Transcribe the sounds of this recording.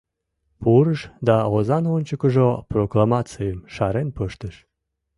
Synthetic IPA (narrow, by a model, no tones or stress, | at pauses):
puɾəʃd̪ɑozɑnonʲt͡ɕəkəʒoproklˠamɑt͡sɨjəmʃɑɾenpəʃt̪əʃ